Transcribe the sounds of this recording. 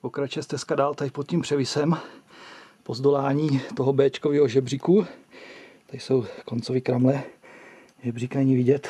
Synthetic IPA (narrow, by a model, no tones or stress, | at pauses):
pokɾat͡ʃjɛst̪ɛskadaːlt̪apot̪̚cimpr̥ɛvɪsɛm | po̞zd̪olaːɲiːt̪oɦobɛːt͡ʃkoviːɦoʒɛbr̝iku | t̪asowkont͡sovɪkɾamlɛ | ʒɛbrikanɛɲivɪɟɛt̪